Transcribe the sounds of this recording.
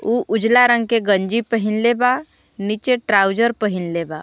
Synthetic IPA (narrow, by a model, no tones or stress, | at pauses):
uːʔʊd͡ʒlaɾə̃ŋɡ̚keɡə̃ɲd͡ʒipəɦɪnleba | nit͡ʃeʈɾaːʊd͡ʒəɾpəɦɪnleba̰